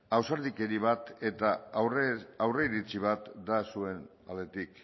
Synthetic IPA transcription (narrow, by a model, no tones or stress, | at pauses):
awsaɾðike̞ɾiβat̪e̞t̪aː | wre̞iɾit͡siβ̞at̪d̪asue̞n | a̰le̞t̪ik